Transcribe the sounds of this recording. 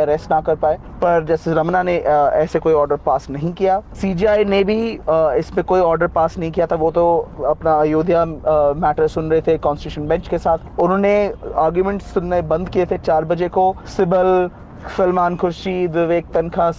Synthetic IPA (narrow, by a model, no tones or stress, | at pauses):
ɐɾɛsʈnakɐɾpaːeː | pɐɾd͡ʒɛːseɾɐmnaneʔɛːsekoːiɔːɾɖəɾpaːsnɐɦĩkijaːsiːd͡ʒiaːinebʱiɪsmẽkoːiɔːɾɖəɾpaːsnɐɦĩkijat̪ʰaʋoːt̪oɐpnajoːd̪ʱjamɛːʈəɾsʊnɾɐɦet̪ʰekɔ̃ːnsʈɪ̥juːʃənbɛ̃ɲt͡ʃkesaːt̪ʰʊnɦõːneaːɾɡjumɛ̃ɳʈsʊnebɐ̃nd̪kiet̪ʰet͡ʃaːɾbɐd͡ʒekosɪbəl | fɪlmaːnkʰʊɾʃiʋɪʋeːk̚t̪ɐnkʰa